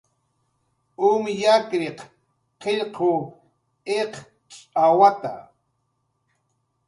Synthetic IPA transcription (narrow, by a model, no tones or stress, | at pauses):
ʊmjakɾeq | qeʎqoː | eq | t͡ʃʼawat̪a̰